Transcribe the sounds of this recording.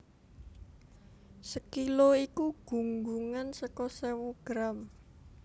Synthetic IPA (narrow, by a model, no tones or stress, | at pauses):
səkiloikuɡ̥ṳŋɡuŋansəkɔsewoɡ̥ɾam